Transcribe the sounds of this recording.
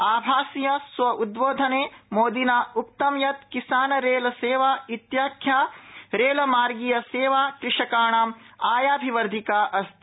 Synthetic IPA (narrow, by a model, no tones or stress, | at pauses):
aːbʱaːsijɐsʋɐʔud̪boːd̪ʱɐneːmoːd̪inaːuk̚t̪ɐmjɐt̪̚kisaːnɐɾeːlɐseːʋaːit̪jaːkʰjaːɾeːlɐmaːɾɡijɐseːʋaːkɾɪʂɐkaːɳaːmaːjaːbʱiʋɐɾd̪ʱikaːʔɐst̪i